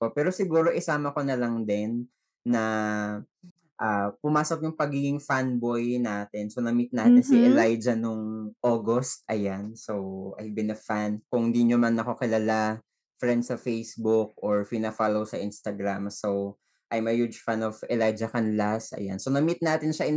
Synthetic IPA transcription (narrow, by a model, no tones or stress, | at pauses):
popɛːɾo̞sɪɡuːɾo̞ʔɪsaːmɐko̞nɐlɐŋd̪ɛnː | ɐ | ʔaːpʊmaːsok̚jʊŋpɐɡiːɡɪŋfanbo̞jnaːt̪ɛnsonɐmit̪̚naːt̪ɪnsiʔɛlajd͡ʒɐnoŋʔoːɡost̪̚ʔɐjansowʔɐ̰jbɪnɐfankʊŋnd̪iɲomɐnːɐkokɪlɐla | fɹɛnd̪sɐfejsbʊk̚ʔoɹpɪnɐfalowsɐʔɪnst̪ɐɡɾamsow | ʔɐjmɐhud͡ʒfanovɛlajd͡ʒɐkɐnlasʔɐ̰ja̰nsonɐmit̪̚naːt̪ɪnʃɐʔɪ